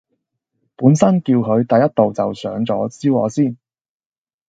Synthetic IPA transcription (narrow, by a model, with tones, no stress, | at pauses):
puː˨˥nsɐ˥nkiː˧wkʰɵ˨˧ɥt̪ɐ˨jɐ˥t̚t̪o˨wt͡sɐ˨wsœ̰ː˨˥ŋt͡sɔ̰ː˨˥t͡siː˥wɔ̰ː˨˧siː˥˩n